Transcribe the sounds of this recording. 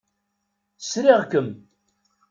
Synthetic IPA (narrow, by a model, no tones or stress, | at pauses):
sɾɪʁkəm